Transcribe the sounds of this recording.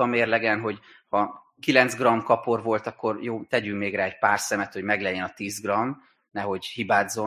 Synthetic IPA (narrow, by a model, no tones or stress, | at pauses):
ɒmeːrlɛɡɛnɦo̞ɟ | hɒ | kilɛnzɡrɒmkɒpo̞rvo̞lt̪ɒkːo̞rjoːt̪ɛɟyŋkmeːɡraːɛcpaːrsɛmɛt̪ho̞ɟmɛɡlɛjːɛnɒt̪iːzɡrɒm | nɛɦo̞ɟhibaːd̪zo̞